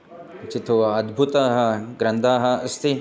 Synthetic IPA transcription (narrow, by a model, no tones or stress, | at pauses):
t͡ʃit̪ʰuʋɐɐd̪bʱut̪aːɦɐɡɾɐnd̪ʱaːɦɐ̆ɐst̪ʰi